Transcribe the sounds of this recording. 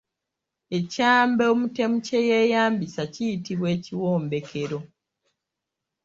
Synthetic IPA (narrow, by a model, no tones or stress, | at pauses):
e̞caːmbeomute̞muce̞jeːjaːmbisacijitiβwe̞ːciwoːmbe̞kʰe̞ɾo̞